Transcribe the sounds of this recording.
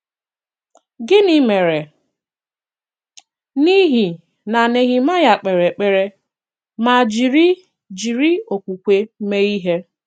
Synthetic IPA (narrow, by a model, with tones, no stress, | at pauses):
ɡɪ˦ni˦me˨ɾe˨ | ni˦ɦi˨ | na˨ne˨ɣi˨ma˦ja˨k͡pe˨ɾe˨k͡pe˨ɾe˦ | ma˨d͡ʒi˨ɾi˦ | d͡ʒi˨ɾi˦o˨kʷu˨kʷe˦me˦i˦ɦe˦